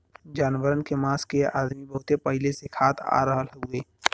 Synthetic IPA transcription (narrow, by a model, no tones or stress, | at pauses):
d͡ʒaːnwəɾənkemaːskea̰ːd̪mibəɦʊt̪epəɦɪlesekʰaːt̪ʰa̰ːɾəɦəlɦʊeː